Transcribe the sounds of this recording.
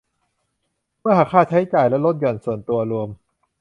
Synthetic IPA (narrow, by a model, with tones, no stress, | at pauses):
mɯ˥˩ɐha˨˩kʰːaː˥˩t͡ɕʰa˦˥jt͡ɕaː˨˩jlɛ˦˥lo˦˥t̪̚jɔ˨˩nsu˨˩ənt̪u˧ɐɾu˧əm